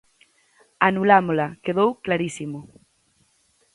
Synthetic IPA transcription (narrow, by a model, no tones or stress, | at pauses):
anulamolakeðowklaɾisimo